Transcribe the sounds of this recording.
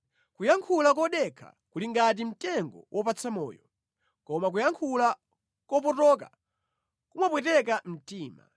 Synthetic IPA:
kujaŋkʰulak̬ɔɗɛkʰa̰kuliŋɡat̬im̩tɛŋɡɔ̰wʔɔpat͡sʰamɔ̰ːjɔ | kɔmak̬ujaŋkʰula | kɔp̬ɔtɔka̰ | kumapwɛtɛk̬am̩tiːma̰

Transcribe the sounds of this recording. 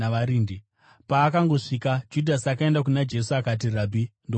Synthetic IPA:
aaɾiːndi | paːkaŋɡo̞ʂiːkad͡ʒudʱasakae̞ndakunad͡ʒe̞suakat̬iraːbʱindo

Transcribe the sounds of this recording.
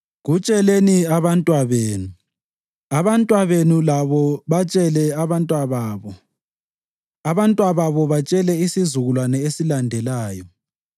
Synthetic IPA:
ɣut͡ʃʼɛleniaβantʼwaβeːnu | aβantʼwaβenulaβɔβat͡ʃʼɛlɛaβantʼwaβaːβɔ | aβantʼwaβaβɔβat͡ʃʼɛlɛisizuɣulwanɛesilandʱɛlaːjɔ

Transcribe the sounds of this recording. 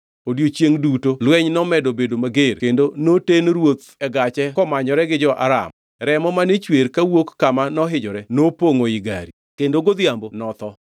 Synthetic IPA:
odjot͡ʃjeŋdutolwɛɲnɔmɛdobedomaɡeɾkendonotenɾwot̪ɛɡat͡ʃɛkɔmaɲɔɾɛɡɪd͡ʒɔʔa̰ɾa̰m | ɾɛmɔmanet͡ʃweɾkawokːamanɔɦɪd͡ʒɔɾɛnopoŋoɪɡa̰ɾi | kendoɡod̪jambonɔt̪ɔ

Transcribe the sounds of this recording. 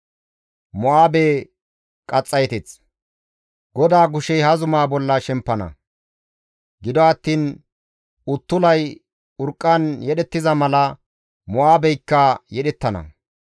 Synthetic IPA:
mɔaːbeː | kʼɐt͡sʼːɐjt̪ɛt͡s | ɡɔd̪aːɡʊʃɛjhɐzʊmaːbɔlːɐʃɛmpːɐnɐ̰ | ɡɪd̪ɔɐt̪ːiːn | ʊt̪ːʊlɐj | ʊɾkʼːɐnjɛɗɛt̪ːɪzɐmɐlɐ | mɔaːbɛjkːɐjɛɗɛt̪ːɐnɐ̰

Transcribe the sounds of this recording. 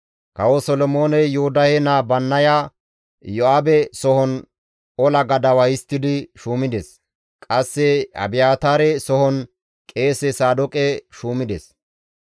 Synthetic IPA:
kɐwɔsɔlɔmo̞ːnɛjʊhʊd̪ɐhɛnaːbɐnːɐja | jɔaːbɛsɔhɔn | ɔlɐɡɐd̪ɐwɐjɪst̪ːɪd̪ɪʃuːmɪd̪ɛs | kʼɐsːɛɐ̰bɪjaːt̪aːɾɛsɔhɔn | kʼe̞ːsɛsaːd̪ɔkʼɛʃuːmɪd̪ɛs

